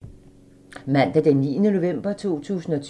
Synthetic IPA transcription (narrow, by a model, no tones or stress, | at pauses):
mæn̰d̥ɐd̥emiːnəno̝ʋem̰b̥ɐt͡sʰo̝̰ːt͡sʰṵːsn̩ɒ̽t͡sʰ